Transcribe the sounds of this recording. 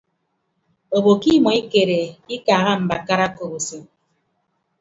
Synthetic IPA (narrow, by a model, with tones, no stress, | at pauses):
o˨bo˨ki˦mɔ˨i˦ke˨ɾe˨i˦kaː˨ɣa˦m̩˨ba˨ka˦ɾa˦ko˨bo˨se˦